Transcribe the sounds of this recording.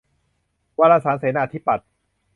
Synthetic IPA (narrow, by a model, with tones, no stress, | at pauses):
waː˧laː˧saː˩˦nseː˩˦naː˧˩t̪ʰiː˦˥pa˨˩t̪̚